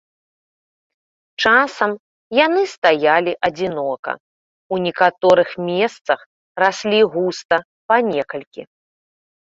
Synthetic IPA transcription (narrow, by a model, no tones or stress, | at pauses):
t͡ʂasɐm | janɨst̪ajalʲiʔɐd͡zʲinɔkɐ̰ | unʲikat̪ɔɾɨxmʲɛst̪sɐx | rasʲlʲiɣust̪ɐ | panʲɛkɐlʲkʲḭ